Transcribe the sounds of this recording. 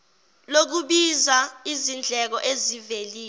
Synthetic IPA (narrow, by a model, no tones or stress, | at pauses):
lok̬uɓizaizind͡ɮʱɛk̬ɔʔeziveliː